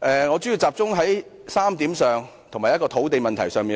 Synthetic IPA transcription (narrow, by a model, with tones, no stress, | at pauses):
ʔɛː˨ŋɔː˨˧t͡sy˨˥ji˧wt͡saː˨˧p̚t͡sʊ˥ŋɦɐ˨˥j | saː˥mt̪iː˨˥msœː˨ŋ | t̪ʰo˨˩ŋmaː˨˩jɐ˥kɔː˧t̪ʰo˨˥wt̪e˨jmɐ˨nt̪ʰɐ˨˩jsœː˨˧ŋmiː˨